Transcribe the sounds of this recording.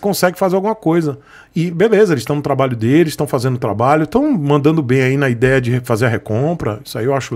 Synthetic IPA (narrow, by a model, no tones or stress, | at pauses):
kõsɛɡɪfazeɾawɡũmɐkojzɐ | ɪbelezɐelɪst̪ɐ̃w̃nʊt̪ɾabaʎʊd̪elɪzst̪ɐ̃w̃fazẽnd̪ʊt̪ɾabaʎʊt̪ɐ̃w̃mɐ̃nd̪ɐ̃nd̪ʊbẽj̃ainɐid̪ɛjɐd͡ʒɪefazeɾɐɦekõpɾɐ̰i̥sʊa̰iewaʃʊ